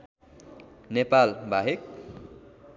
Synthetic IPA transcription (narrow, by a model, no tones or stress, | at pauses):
nepalbʱaɦek̚